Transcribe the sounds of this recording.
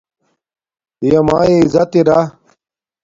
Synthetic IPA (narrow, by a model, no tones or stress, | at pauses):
ijɐma̰ːeizɐt̪iɾa